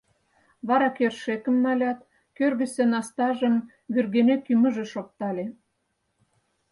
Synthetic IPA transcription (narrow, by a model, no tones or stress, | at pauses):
βɑɾɑkerʃekə̆mːɑlʲɑt̪ | kørɣə̆sĕnɑst̪ɑʒəm | βyrɣenekymə̆ʒĕʃok̚t̪ɑlʲe